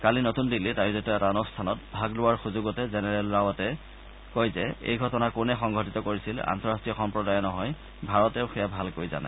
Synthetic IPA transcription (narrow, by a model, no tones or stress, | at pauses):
kalinotundilːitajzitɔɛtaɔnustʰanɔt̚bʱaɡlʊwaɹxuzʊɡɔtɛzɛnɛɹɛlɹawatɛ | kojzɛḛjɡʱɔtɔnakʊnɛxɔŋɡʱɔtitɔkoɹisila̰ntɔɹastiɔxɔmpɹɔdajɔnɔɦɔj | bʱaɹɔtɛʊxɛjabʱalkojza̰na̰